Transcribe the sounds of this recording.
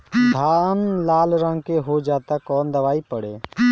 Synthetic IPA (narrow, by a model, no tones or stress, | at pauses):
d̪ʱaːnlaːlɾə̃ŋɡkeɦoːd͡ʒaːt̪aːkɔːnd̪əʋaːiːpəɽeː